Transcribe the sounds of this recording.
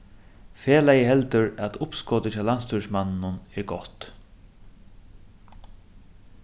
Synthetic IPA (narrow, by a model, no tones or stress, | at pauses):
feːlajəɦɛlt̪əɾæt̪ʰʊpskɔːt̪ət͡ɕaːlanst̪ʰuʂmannʊnɛɾɡɔt̪